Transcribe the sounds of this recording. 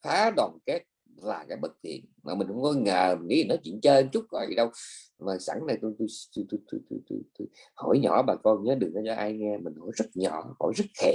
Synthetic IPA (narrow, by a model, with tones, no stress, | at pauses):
faː˨˦ɗwɔː˨˩nke˦˥t̚ | laː˨˩kaː˨˦jɓə˨˩t̚t̪ʰḭ˧˨ənmaː˨˩mï˨˩ŋ̟hʊ̰˧˥˦ŋ͡mkɔ˨˦ŋəː˨˩˨ɲḭ˧˨˦i˨nɔ˨˦t͡ɕḭ˧˨ənt͡ɕəː˧nt͡ɕʊ˦˥k͡p̚kɔ˨˦ḭ˧˨˩ɗə˧w | maː˨˩sa̰˧˩ŋna˨˩jt̪u˧t̪u˧jt̪u˧jt̪u˧t̪u˧jt̪ṵ˧t̪ṵ˧jt̪u˧jho̰˧˩˦jɲɔ̰˧˩˦ɓaː˨˩kɔ˧nɲəː˨˦ɗɨ˨˩əŋʔə˨˦˩t͡ɕɔ˧˦ʔaː˧jŋɛ˧mï˨˩ŋ̟ho˧˩˦jzə˦˥t̚ɲɔ̰˧˨ho̰˧˩jzə˦˥t̚xɛ˧˨